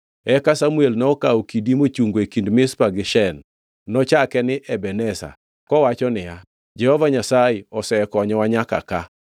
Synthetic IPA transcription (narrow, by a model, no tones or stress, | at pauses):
ɛkasamuelnɔɔkaokidimot͡ʃuŋɡoekindmɪspaɡɪʃɛnː | ɔt͡ʃakɛnɪʔɛbɛnɛsa̰ | kɔwat͡ʃɔnɪja | d͡ʒɛhɔvaɲasajɪɔsɛkɔɲɔwaɲaka̰ka